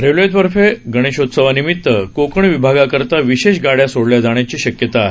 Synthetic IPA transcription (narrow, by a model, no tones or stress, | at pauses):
ɾeʋlejt̪ʋəɾfeɡəɽ̃eɕot̪səʋanimit̪ːəkokəɳʋibʱaɡakəɾt̪aʋiɕeɕɡaɽjasoɽljad͡zaɳ̃jat͡ɕiːɕəkjət̪a